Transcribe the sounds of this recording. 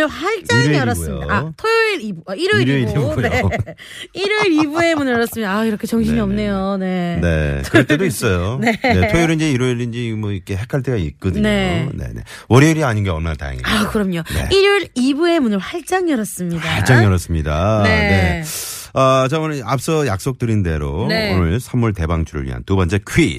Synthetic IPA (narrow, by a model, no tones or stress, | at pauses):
ɯɭɸaɭt͡ɕ͈aŋɾjʌɾʌumɲoḭdatʰojɯɾibuaiɾɯiie | iɾɯɾibue̞munɯɭɾʌs͈ɯmɲidaːiɾʌkʰe̞t͡ɕʌŋɕʰiɲiʌmne̞jone̞ne̞̰kɯete̞dois͈ʌjone̞netʰojuɾind͡ʑiiɾɯɾind͡ʑimoikʰeɦe̞kʰaɭtʰɯɡaḭt̚k͈ʌdɯɲe̞one̞̰ne̞ | wʌɾiːɾiaɲinɡeʌɭmanta̰ja̰ŋḭakɯɾʌmɲone̞̰ʔiɾɯɾibue̞munɯɭɸwaɭt͡ɕ͈aŋjʌɾʌs͈ɯmɲidaaɭt͡ɕ͈aŋjʌɾʌs͈ɯmɲidane̞ | ʌt͡ɕaʌnɯnap̚s͈ʌjak̚s͈ok̚t͈ɯɾinde̞ɾoonɯɭsʰamːuɭte̞baŋt͡ɕʰuɾɯ̰ɭɥḭɦa̰ntubʌnt͡ɕ͈ekʰɥi